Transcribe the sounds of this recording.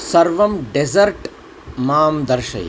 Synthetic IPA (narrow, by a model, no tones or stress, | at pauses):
sɐɾʋɐmɖezɐɾʈ | maːmd̪ɐɾʃɐ̰j̰